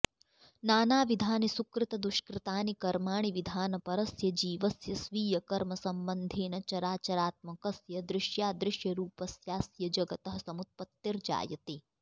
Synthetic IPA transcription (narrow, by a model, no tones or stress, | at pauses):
naːnaːʋid̪ʱaːnisukɾɪt̪ɐd̪uʃkɾɪt̪aːnikɐɾmaːɳ̃iʋid̪ʱaːnɐpɐɾɐsjɐd͡ʒiːʋɐsjɐsʋiːjɐkɐɾmɐsɐmbɐnd̪ʱeːnɐt͡ʃɐɾaːt͡ʃɐɾaːt̪̚mɐkɐsjɐd̪ɾɪʃjaːd̪ɾɪʃjɐɾuːpɐsjaːsjɐd͡ʒɐɡɐt̪ɐɦɐ̆sɐmut̪̚pɐt̪ːiɾd͡ʒa̰ːjɐt̪i